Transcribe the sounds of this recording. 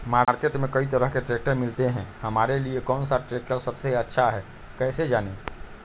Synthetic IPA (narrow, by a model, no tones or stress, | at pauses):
maːɾkeːʈmẽkɐit̪̬ɐɾəɦkeʈɾeːk̚ʈəɾmɪlt̪eɦɛ̃ːhɐmaːɾeliekɔːnsaʈɾeːk̚ʈəɾsɐbseɐtːʃʰaɦɛː | kɛːsed͡ʒaːne